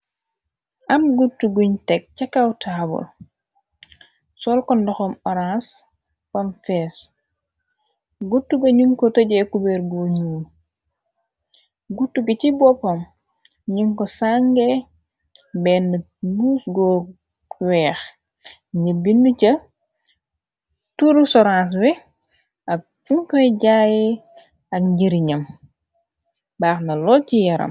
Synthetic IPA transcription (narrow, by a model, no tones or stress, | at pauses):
ʔɐmɡutːuɡuɲtɛk̚cakawtʰaːbɔ̰l | sɔlkɔndɔxɔmɔɾãns | pamfɛs | ɡutːuɡɐɲiŋkɔtɐɟɛkubɛɾɡoɲuː | ɡutːuɡɐcibɔpom | ɲiŋkɔsaŋɡe | bɛnːɐ | muːsɡɔ | wɛːx | ɲibinducɐ | tuɾusɔɾãːns̬wɛ | ak̚fuŋkoɟaːji | ɐk̚ɲɟiɾiɲɐm | baːxnɐlɔːcijɐɾɐ̰m